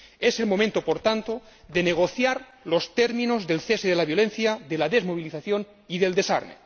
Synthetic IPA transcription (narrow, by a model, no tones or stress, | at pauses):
e̞selmo̞mẽnt̪opo̞ɾt̪ant̪o̞ | ðeneɣ̞o̞θjaɾ | lo̞st̪e̞ɾmĩno̞zðe̞lθeseðelaβjo̞le̞n̟θjaðelaðe̞zmo̞β̞iliθaθjo̞n | iðe̞ld̪e̞sa̰ɾnḛ